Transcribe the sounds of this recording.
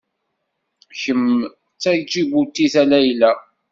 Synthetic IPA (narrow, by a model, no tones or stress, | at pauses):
çəm | t͡sːæɾd͡ʒiɡut̪ːiθælæjlæ